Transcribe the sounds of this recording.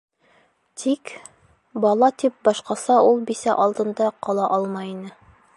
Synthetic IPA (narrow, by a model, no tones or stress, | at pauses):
t̪ʰik | bɒlˠɑt̪ip̚bɒʃqɑsɑulˠbisæʔɒlˠd̪ɤ̆nd̪ɑqɒlˠɑʔɑlˠmɑjinɘ